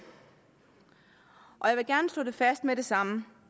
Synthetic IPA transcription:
ʔɒ̽jɑ̈ʋe̝ɡ̥æɐnəsd̥ɔ̰ːde̝fæsd̥meɾe̝sɑ̈mə

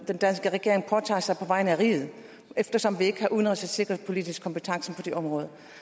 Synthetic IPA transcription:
d̥end̥ænsɡ̥əʁɛɡ̥e̝ɐe̝ŋpʰɒt͡sʰɑ̈ːsɑ̈ɪpʰɒ̽ʋɑ̈ɪnəæʁḭːð̩ˠ | efd̥ɐsɒ̽mʋie̝ɡ̥əhɑ̈ʔuðˠn̩ʁɛsæ̥se̝ɡ̥ʁɐpʰo̝lid̥isɡ̥kʰːɒ̽mpət͡sʰɑ̈ŋsn̩pʰɒ̽d̥e̝ʔɒ̽mʁɔ̽ːð̞ˠɐ

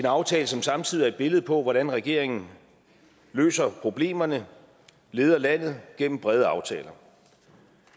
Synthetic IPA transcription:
e̝nɑ̈ʊt͡sʰɛːləsɒ̽msɑ̈mt͡sʰið̰iæɐed̥̚b̥e̝ləð̩ˠpʰɒ̽ʋɒɾænʁɛɡ̥e̝ɐ̰e̝ŋn̩ | lø̰ːsɐpʰʁo̝b̥le̝̰ːmɐnə | le̝ːð̞ˠɐlæn̰ð̞̩ˠɡ̥en̰m̩b̥ʁɛð̞ˠəɑ̈ʊt͡sʰɛ̰ːlɐ

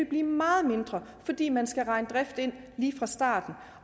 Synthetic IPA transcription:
eb̥liːmɑ̈ːð̩ˠme̝nd̥ʁɐfɒ̽d̥ḭːmænsɡ̥æʁɑ̈ɪnəd̥ʁɛfd̥e̝n̰ | liːfʁɑ̈sd̥ɑ̰̈ːd̥n̩

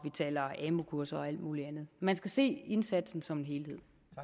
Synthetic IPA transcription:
ʋit͡sʰɛ̰ːlɐɛːmo̝kʰuɐsɐɒ̽æl̰d̥muːliænð̞̩ˠmænsɡ̥æse̝̰ːe̝nsæd̥sn̩sɒ̽me̝nɦe̝ːlhe̝ð̰ˠ

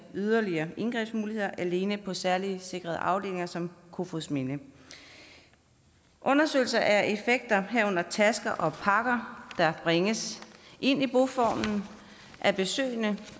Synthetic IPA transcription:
yð̞ˠɐliɐːe̝nɡ̥ʁɛ̰b̥smuːlihe̝ð̞̰ˠɐʔæle̝ːnəpʰɒ̽sæɐlise̝ɡ̥ʁɐð̞ˠʔɑ̈ʊd̥e̝̰ːle̝ŋɐsɒ̽mkʰo̝fosme̝nə | ʔɔ̽nɐsø̰ːl̩sɐʔæɐʔe̝feɡ̥̚d̥ɐɦæɐɔ̽n̰ɐt͡sʰæsɡ̥ɐʔɒ̽pʰɑ̈ɡ̥ɐd̥ɑ̈b̥ʁeŋəsʔe̝n̰ib̥o̝fɒ̰ːmn̩ | ʔæb̥e̝sø̰ːɪnə

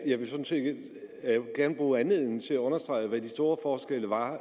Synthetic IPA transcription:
jɑ̈ɪʋe̝sɒ̽n̩se̥ | ɡ̥æɐnəb̥ʁuːænle̝ð̰ˠn̩t͡sʰe̝læɔ̽nɐsd̥ʁɑ̈ɪəʋæd̥isd̥o̝ːɐfɒːsɡ̥el̰əʋɑ̈

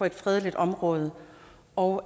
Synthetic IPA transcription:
ɒ̽e̝d̥fʁɛð̞ˠlid̥ɒ̽mʁɔ̽ːð̞ˠə | ɒʊ

